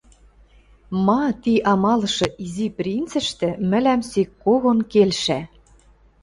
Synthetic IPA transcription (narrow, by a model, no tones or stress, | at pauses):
mɑt̪iʔɑmɑlɤ̆ʃɤ̆ʔiziprʲint͡sɘ̆ʃt̪ɘ̆mɘ̆læmsikːoɣonkelʃæ